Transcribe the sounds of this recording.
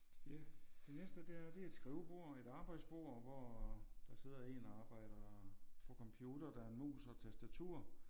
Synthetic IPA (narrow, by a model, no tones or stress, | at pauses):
jæd̥e̝nesd̥əd̥e̝æɐd̥e̝æed̥sɡ̥ʁiːʊb̥o̝ɐ̰e̝ɾ̥ɑ̈ːb̥ɑ̈ɪ̰d̥sb̥o̝ːɐ̰ʋɒd̥ɑ̈se̝ð̰ˠɐe̝̰ːnɒɑ̈ːb̥ɑ̈ɪ̰ɾ̥ɐpʰɒ̽kʰɒ̽mpʰjuːd̥ɐd̥ɑ̈ɐenmṵːsɒ̽t͡sʰæsd̥æt͡sʰṵɐ̰